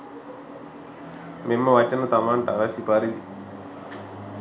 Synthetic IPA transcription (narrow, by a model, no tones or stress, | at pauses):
mimːɐʋɐt͡ʃːɐnɐt̪ɐmaːɳʈaʋasipaːɾili